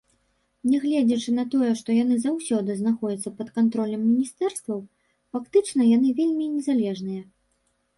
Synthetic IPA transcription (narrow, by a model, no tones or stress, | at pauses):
nʲɛɣlʲɛd͡zʲɛt͡ʂɨnɐt̪ɔjɛʂt̪ɔjanɨzawsʲɔd̪ɨznaxɔd͡zʲɐt̪sːɐpɐt̪kant̪ɾɔlʲɛmːʲinʲist̪ɛrst̪vɐw | fakt̪ɨt͡ʂn̪ɐjan̪ɨvʲelʲmʲinʲɛzalʲɛʐnɨjɐ